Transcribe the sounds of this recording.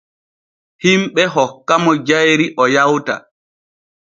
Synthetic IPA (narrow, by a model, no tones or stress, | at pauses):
himɓɛɦɔkːamɔd͡ʒajɾiʔɔjawta̰